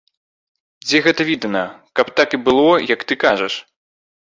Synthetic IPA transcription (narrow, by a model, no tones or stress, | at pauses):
d͡zʲɛɣɛt̪ɐvʲid̪ɐnɐkɐpt̪akibɨlˠɔjɐkt̪ɨkaʐɐʂ